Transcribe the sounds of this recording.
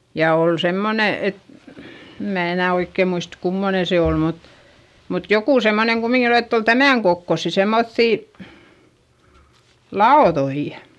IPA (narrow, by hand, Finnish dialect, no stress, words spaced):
jɑ oˑl semːone et em mæː enæˑ oikːeˑ muist kumːone se oˑl mut mut jokuˑ semːoneŋ kumiŋkin etː ol tæmæˑŋ kokːosːi semːoθːiˑ lɑoðoi